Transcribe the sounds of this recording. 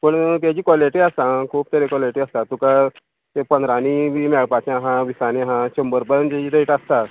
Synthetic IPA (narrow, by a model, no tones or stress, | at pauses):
pəɳt̪̬jad͡ʑiːkɔleʈiəst̪ãkʰuːp̚t̪əɾekɔleʈiːəst̪at̪uka | t̪epənd̪ɾaniʋimɛɭpat͡ɕãɦãʋisanĩɦãɕəmbəɾpənd͡ʑat͡ɕiːd̪əiʈəst̪a